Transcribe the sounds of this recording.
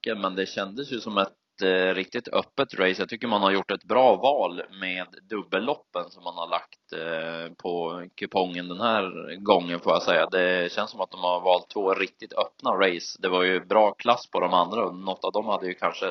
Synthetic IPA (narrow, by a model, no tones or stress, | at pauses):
ənmɛnd̪ɛɕɛnd̪əsjɵsɔmɛt̪ | ɾɪk̚t̪ɪt̪ʰœpːət̪ɾɛɪsjɑɡt̪ʰʏkːəɾmanhaɾjʊʈːɛt̪bɾɑːvɑːlmeːd̪ːɵbːəlːɔpːənsɔmːanhaɭak̚t̪pʰɔkʰɵpʰɔŋːənd̪ɛnhæːɾɡɔŋːənfoːɾjasɛjːad̪ɛɕɛnsɔmat̪̚d̪ɔmhaɾvɑːlt̪ʰːvoːɾɪk̚t̪ɪt̪ʰœpnaɾɛɪsd̪ɛvaɾjɵbɾɑːkʰlasːpʰɔd̪ɔmand̪ɾaɔnɔt̪ːɑvd̪ɔmhad̪ːəjɵkʰanʂə